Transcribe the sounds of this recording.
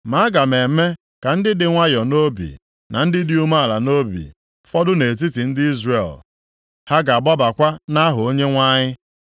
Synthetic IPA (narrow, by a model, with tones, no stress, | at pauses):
ma˨˦ɡa˨me˨me˦ | ka˨n̩˦dɪ˦dɪ˨ŋʷa˦jɔ˨no˦bḭ˨ | na˨n̩˦dɪ˦di˦u˦ma˦a˨la˨no˦bḭ˨ | fɔ˦dʊ˦ne˨t̬i˦ti˨n̩˦dɪ˦i˦zre˨l | ha˦ɡa˨a˨ɡ͡bɔ˦ba˨kʷa˦na˦ɦʊ˨o˦ɲe˦ŋʷa˦ɲɪ˦